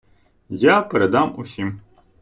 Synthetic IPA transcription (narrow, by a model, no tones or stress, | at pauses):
japeɾed̪ɑmʊsʲim